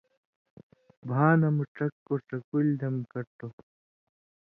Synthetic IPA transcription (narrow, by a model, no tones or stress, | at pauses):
bʱaːnɐmuʈ͡ʂɐkːoʈɐkuld̪ɐmkɐɾt̪o